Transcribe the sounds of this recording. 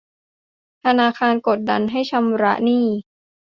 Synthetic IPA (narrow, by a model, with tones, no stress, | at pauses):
t̪ʰa˧naː˧kʰaː˧nko˨˩t̪̚da̰˧nɦa˥˩jt͡ɕʰa˧mɾa̰˦˥ʔniː˥˩